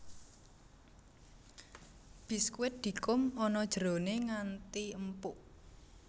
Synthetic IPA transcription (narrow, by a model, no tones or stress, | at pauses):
b̥i̤skwɪt̪̚d̪̥i̤kʊmɔnɔd̥ʒ̥əɾo̤neŋant̪iəmpʊʔ